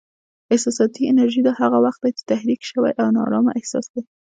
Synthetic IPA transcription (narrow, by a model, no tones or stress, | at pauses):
ɪhsɑsɑt̪iɪnaɾʒid̪ahaɣawaxt̪̚bajat̪t̪ːahɾikʃəwa̰jʔawnɑ̰ɾɑma̰ʔɪhsɑ̰sd̪a